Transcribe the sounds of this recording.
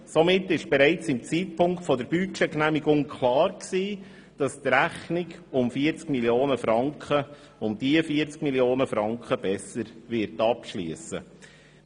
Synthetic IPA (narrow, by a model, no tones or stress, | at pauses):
somɪtːɪʃb̥ɛɾɛɪt͡sɪmt͡siːt̚pʊŋktfɔdəɾb̥yt͡ʃɛknæmiɡʊŋkʰlɑːɾksiː | d̥ɑst̪ɾæχnɪɡʊmfiəɾt͡skmiljoːnəfɾɑŋkχə | ʊmd̥iəfiəɾt͡skmiljoːnəfɾɑŋkχəb̥ɛsəɾvɪɾtɑpʃlḭəsə̰